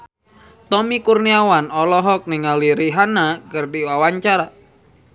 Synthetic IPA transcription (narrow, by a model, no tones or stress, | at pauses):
t̪ɔmikurniawanɔlɔɦɔk̚niŋaliɾiɦanakərdiwawaɲt͡ʃaɾa